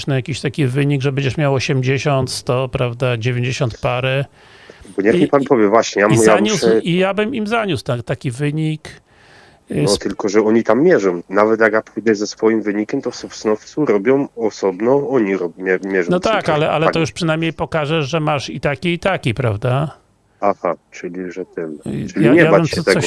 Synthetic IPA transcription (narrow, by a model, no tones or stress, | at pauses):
ʂnɛjakʲiɕt̪akʲivɘɲiɡʐɛbɛɲd͡ʑɛʂmʲjawɔɕɛmd͡ʑeɕɔnt̪st̪ɔpɾavd̪ad͡ʑevʲeɲd͡ʑeɕɔ̃nt̪̚paɾɛ | bɔɲaxɲʲipanpɔvʲjɛvwaɕɲɛjamiɔjaɲusijabɘmimzaɲuswt̪at̪akʲivɘɲik | ɔt̪ɘlkɔʐɛɔɲit̪amːʲjɛʐɔ̃mnavɛt̪jakjapujd̪ɛzɛsfɔjimvɘɲikʲɛmt̪ɔsɔfsnɔft̪suɾɔbʲjɔ̃w̃ɔsɔbnɔɔɲiɾɔbmʲɛmʲjɛʐɔ̃nɔt̪akalɛʔalɛat̪ɔjuʂpʂɨnajmɲejpɔkaʐɛʐɛmaʂit̪akʲiːt̪akʲipɾavd̪a | ahat͡ʂɘlʲiʐɛt̪ɛmt͡ʃʲjiaɲɛjavaɛmsɛɔt̪ɛsɔ